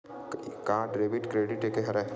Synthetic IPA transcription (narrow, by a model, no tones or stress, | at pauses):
kaːʈɾeːbɪʈkɾeːɖɪʈekeɦɐɾɛ